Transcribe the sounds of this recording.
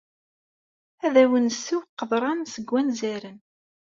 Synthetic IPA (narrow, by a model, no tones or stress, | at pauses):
æðæwənsiwqːəðˤɾˤɑnsəɡʷːænzæɾən